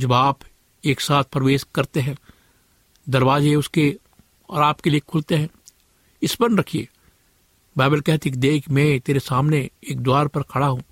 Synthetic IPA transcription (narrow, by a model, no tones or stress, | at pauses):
d͡ʒɐbaːp | eːksaːt̪̚ʰpɾɐʋeːʃkɐɾt̪eɦɛ̃ː | d̪ɐɾʋaːzeʊske | ɔːɾaːpkeliekʰʊlt̪eɦɛ̃ː | ɪspənɾɐkʰiḛː | baːbəlkɛɦt̪ʰik̚d̪eːkʰmɛ̃t̪eːɾesaːmneeːk̚d̪ʊwaːɾpɐɾkʰɐɽaɦũː